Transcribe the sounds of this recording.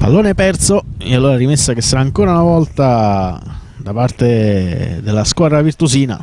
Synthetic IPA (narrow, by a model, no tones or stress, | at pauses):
pa̰lːoːnepɛrt̪soealːoːɾaaɾimesːak̟esːaɾaːŋkoːɾaunavɔlt̪a | d̪apart̪ed̪elːaskwaːd̪ɾavirt̪usiːna̰